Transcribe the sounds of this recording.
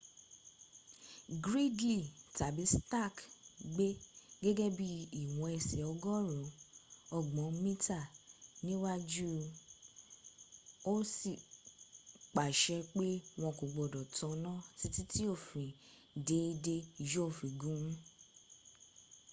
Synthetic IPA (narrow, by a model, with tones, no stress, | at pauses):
ɡɾi˦dli˦˨ta˨bi˨˦sta˦˨kɡ͡be˦ɡe˦ɡe˦bi˦i˨w̃ɔ̃˧ɛ˧sɛ˨ɔ˧ɡɔ˦ɾũ˨˦ɔ˧˨ɡ͡bɔ̃˨˦mĩ˦ta˦˨nĩ˦wa˦d͡ʒu˦ | o˦si˨ | k͡pa˨ʃɛ˧k͡pe˦w̃ɔ̃˧ko˨ɡ͡bɔ˨dɔ˨tɔ̃˧nã˦ti˦ti˦ti˦o˦˨fĩ˨ | de˨˦i˧de˧˨jo˦o˦˨fĩ˨ɡũ˨˦ũ˦